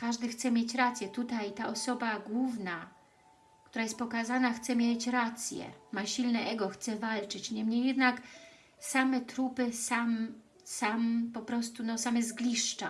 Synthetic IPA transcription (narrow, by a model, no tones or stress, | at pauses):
kaʐd̪ɘxt̪sɛmʲjet͡ɕɾat̪sʲjɛt̪ut̪ajt̪aʔɔsɔbaɡwuvna | kt̪uɾajɛst̪̚pɔkazanaxt̪sɛmʲjet͡ɕɾat̪sʲjɛ̰maɕilnɛʔɛɡɔxt̪sɛvalt͡ʂɘt͡ɕɲɛmɲejːɛd̪nak | samɛt̪ɾupɘsam | sampɔpɾɔst̪unɔsamɛzɡlʲiʂt͡ʂa